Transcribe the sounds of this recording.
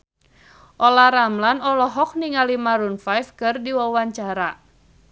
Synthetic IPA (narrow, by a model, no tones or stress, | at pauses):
ʔɔlaɾamlanɔlɔɦɔk̚niŋalimaɾunfajfkɨrdiwawaɲt͡ʃaɾa